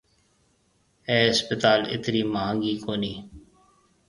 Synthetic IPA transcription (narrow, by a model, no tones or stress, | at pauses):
ɛːɪspət̪aːlɪ̰t̪ɾiːmaːɦə̃ŋɡiːkoːniː